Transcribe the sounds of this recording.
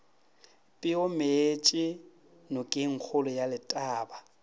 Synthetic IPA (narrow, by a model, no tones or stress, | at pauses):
pʼɪʊmet͡ʃʼɪ | nʊkʼɪŋ̩k͡xʰʊlʊjalɪtʼaːba